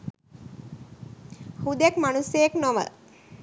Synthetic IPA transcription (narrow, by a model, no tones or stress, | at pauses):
hud̪ekmanusəjeknoʋə̰